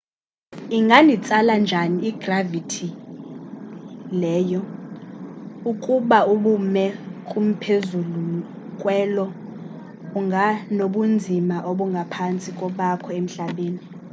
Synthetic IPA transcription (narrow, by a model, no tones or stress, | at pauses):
iŋɡʱanʱit͡sʼaland͡ʒʱaniːɡ̥ravitʰi | lɛːjɔ | ukʼuɓauɓumɛkʼum̩pʰezulu | kʼwɛlɔ | uŋɡʱanoɓund͡zʱimaʔoɓuŋɡʱapʰant͡sʼikʼɔɓakʰɔem̩ɬaɓeːni